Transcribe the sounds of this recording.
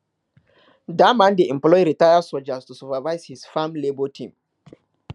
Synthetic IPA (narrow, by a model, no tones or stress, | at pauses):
damãndeʔɛ̃mplɔjɾitajasɔld͡ʒastusupavaɪzhisfãmlebotʰĩm